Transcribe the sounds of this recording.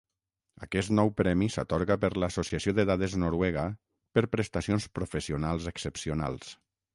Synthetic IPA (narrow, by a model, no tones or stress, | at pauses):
akɛst̪nɔwpɾɛmisat̪ɔɾɣapəɾləsosiasioðəðaðəznoɾwɛɣə | pəɾpɾəst̪asionspɾofəsiunalˠzəksəpsiuna̰lˠs